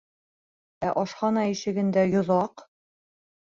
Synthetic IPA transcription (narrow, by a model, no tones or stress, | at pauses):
æʔɒʃχɑnɑiʃɘ̆ɡɘ̆nd̪æjŏðɑq